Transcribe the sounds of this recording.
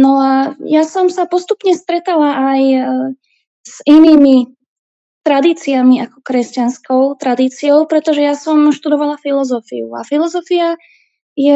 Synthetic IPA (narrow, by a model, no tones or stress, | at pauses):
nɔajasɔmsapɔst̪upɲɛst̪ɾɛt̪alaʔaj | z̥iniːmi | t̪ɾad̪iːt͡siamiakɔ̥kɾɛscanskɔʊt̪ɾad̪iːt͡siɔʊpɾɛt̪ɔʒɛjasɔmʃt̪ud̪ɔʋalafilɔzɔfḭṵa̰filɔzɔfia | jɛ